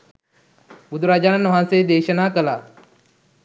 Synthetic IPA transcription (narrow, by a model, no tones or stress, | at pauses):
bud̪ʱuɾaːd͡ʒaːnanʋɐɦãnseːd̪eːʃənaːkəlaː